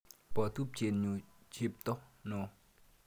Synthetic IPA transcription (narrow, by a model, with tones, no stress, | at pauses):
pə˩˨t̪ʰu˥p̚t͡ɕe˨ɲu˩˨t͡ɕʰe˥p̚t̪o˥χno˨